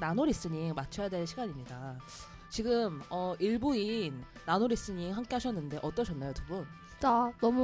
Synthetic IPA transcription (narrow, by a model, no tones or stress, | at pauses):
nanoɾis͈ɯɲiŋmat͡ɕʰʌjade̞ɭɕʰiɡaɲimɲida | t͡ɕiɡɯmʌʔiɭbuinː | anoɾis͈ɯɲiŋɸaŋk͈eɦaɕʰʌnːɯnde̞ʔʌt͈ʌɕʰʌnːajotubun | t͡ɕanʌmu